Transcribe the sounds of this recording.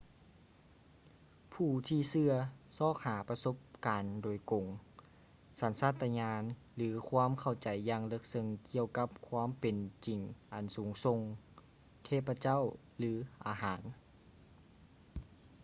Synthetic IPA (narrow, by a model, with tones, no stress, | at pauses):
pʰuː˧˩t̪ʰiː˧sɯ˧ɐsɔː˧˩k̚haː˨˩˦pa˧so˧˥p̚kaː˨ndoː˨jko˨˩ŋ | sa˨˦nsaː˥˩t̪ːa˧ɲaː˧n | lɯː˩˦kʰwaː˧˥˨mkʰa˧˩wt͡ɕa˨˩jːaː˧ŋlɤ˧˥k̚sɤ˧ŋki˧əwka˧˦˥p̚kʰwaː˧˥˨mpe˨nt͡ɕi˨˩ŋʔa˨˩nsuː˨˦ŋso˧ŋ | k̪ʰeː˧˩pa˧t͡ɕa˥˨w | lɯː˩˦ʔaː˨˩ɦaː˨˩˦n